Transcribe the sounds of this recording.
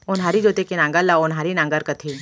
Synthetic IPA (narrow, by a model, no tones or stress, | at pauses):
ʊnɦaːɾid͡ʒoːt̪ekinãːŋɡəlːaʊnɦaːɾinãːŋɡəɾkɐt̪ʰi